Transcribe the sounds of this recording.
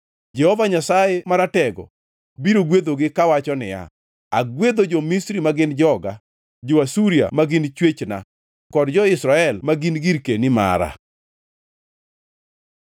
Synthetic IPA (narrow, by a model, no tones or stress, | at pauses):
d͡ʒɛhɔvaɲasajemaɾatɛɡɔ̰ | biɾoɡwed̪oɡɪkawat͡ʃɔnɪ̰ja̰ | aɡwed̪od͡ʒɔmisɾimaɡɪnd͡ʒɔɡa | d͡ʒowasuɾija̰maɡɪnt͡ʃwet͡ʃna̰ | kɔdd͡ʒɔɪsɾaɛlmaɡinɡiɾkenima̰ɾa̰